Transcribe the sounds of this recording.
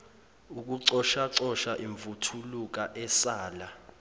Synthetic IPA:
uk̬ʼuǀɔʃaǀɔʃaʔiɱbvutʰuluk̬ʼaʔɛsaːla

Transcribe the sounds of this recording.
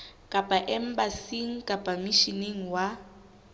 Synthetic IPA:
kʼapʼaʔɛm̩basiŋ̩kʼapʼamiʃineŋ̩wa

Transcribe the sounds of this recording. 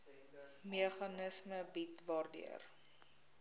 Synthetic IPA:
miəχɐnəsməbitvɑːrdḭər

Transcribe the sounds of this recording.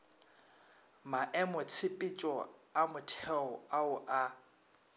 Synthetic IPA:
maʔɛmʊt͡sʰɪpʼɪt͡ʃʼɔamʊtʰɛɔaʊʔa

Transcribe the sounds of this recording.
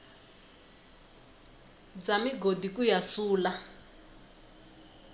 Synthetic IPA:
d͡zamiɡodikujasuːla

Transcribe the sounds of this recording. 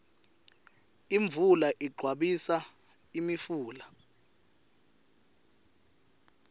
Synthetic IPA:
iɱbvʱulaʔiɡ͡ǃʱwaɓisa | imifuːla

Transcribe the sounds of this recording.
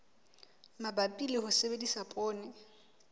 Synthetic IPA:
mabapʼilɪhʊsebedisapʼoːnɪ

